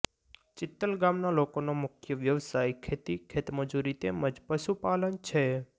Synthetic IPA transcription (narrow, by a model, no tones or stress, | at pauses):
t͡ʃɪt̪ːəlɡamnalokonomʊkʰjəʋjəʋsajkʰet̪ikʰet̪məd͡ʒuɾit̪eməd͡ʒpəʃupalənt͡ʃʰe